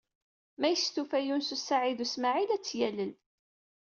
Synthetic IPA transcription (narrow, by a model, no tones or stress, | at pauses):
mæjəst̪ufæjunsusaʕiðusmaʕilæt͡sːjæləl